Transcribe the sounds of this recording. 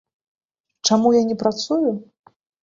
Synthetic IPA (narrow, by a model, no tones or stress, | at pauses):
t͡ʂamujanʲɛpɾat̪suju